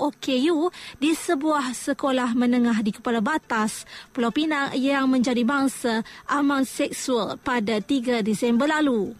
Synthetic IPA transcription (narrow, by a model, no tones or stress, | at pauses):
okejudisəbuahsəkolahmənəŋãɦdikə̥palabat̪aspəlawpinaʔjaŋmə̃ɲd͡ʒadibaŋsaʔamãnsɛksualpadat̪iɡadisɛmbərlalu